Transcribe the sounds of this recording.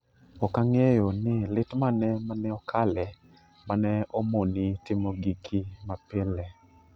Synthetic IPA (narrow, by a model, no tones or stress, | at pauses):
ɔkaŋejonɪlɪtmanɛmanɛɔkʰalɛ | manɛɔmonitɪmoɡikʰimapɪlɛ